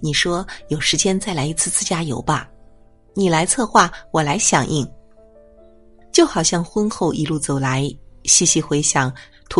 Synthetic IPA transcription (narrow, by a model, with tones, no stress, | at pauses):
ni˨˩ʂwɔ˥jo˨˩ʊʂɻ̩˧˥t͡ɕjɛ˥nt͡sa˥˩ɪla˧˥ɪi˧˥t͡sʰɹ̩˥˧t͡sɹ̩˥˧t͡ɕja˥jo̰˧˥ʊbɐ˧ | ni˨˩la˧˥ɪt͡sʰɤ˥˧xwa˥˩wɔ˨˩la˧˥ɪɕjɑ˨˩ŋʔi˥˩ŋ | t͡ɕjo˥˩ʊxɑ˨˩ʊɕjɑ˥˩ŋxwə˥nxo˥˩ʊʔi˧˥lu˥˩t͡so˨˩ʊla˧˥ɪɕi˥˩ɕi˧˥xwe˧˥ɪɕjɑ˨˩˦ŋ | t̪ʰu˧˥